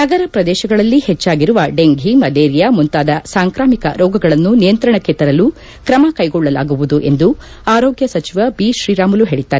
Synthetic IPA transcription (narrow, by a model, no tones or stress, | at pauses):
nɐɡɐɾɐpɾɐd̪ɛːʃɐɡɐɭɐlːihɛt͡ʃːaːɡiɾuʋɐɖeŋɡʱimɐd̪eːɾijɐmunt̪aːd̪ɐsaːŋkɾaːmikɐ̰ɾɔːɡɐɡɐɭɐnːunijɐnt̪ɾɐɳɐkːe̞t̪ɐɾɐlu | kɾɐmɐkɐjɡɔɭːɐla̰ːɡuʋud̪uʔe̞nd̪u | aːɾoːɡjɐsɐt͡ʃiʋɐbiːʃɾiːɾaːmuluɦe̞ːɭid̪ːaːɾe